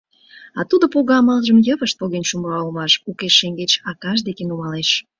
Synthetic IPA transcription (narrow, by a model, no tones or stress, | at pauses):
ɑt̪ud̪opoɣɑmɑlʒəmjəβəʃt̪̚poɣenʲʃumɑolmɑʃukeʃːeŋɡet͡ɕɑkɑʃ̬d̪ekenumɑleʃ